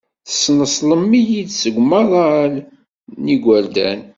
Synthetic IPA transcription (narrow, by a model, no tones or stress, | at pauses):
θə̥sːnəsˤləmːijid̪səɡʷməʁˤl | niɡʷæld̪æ̰n